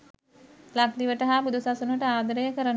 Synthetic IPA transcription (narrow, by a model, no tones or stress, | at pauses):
lak̚d̪iʋəʈəɦapud̪usasunuʋəʈəaːd̪əɾəjəkəɾən